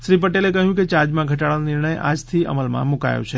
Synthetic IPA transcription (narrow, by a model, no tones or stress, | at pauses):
ʃɾipəʈelekəɦjũket͡ʃad͡ʒmãɡʱəʈaɭanɪɾɳəja̰d͡ʒt̪ʰiə̰məlmã̰muka̰jo̰t͡ʃʰe